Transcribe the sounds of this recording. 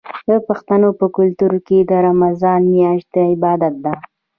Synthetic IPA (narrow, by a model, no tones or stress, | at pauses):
d̪əpaxt̪anopəkʊlt̪uɾked̪əɾamazɑnmjɑʃt̪əɪbɑd̪at̪̚d̪a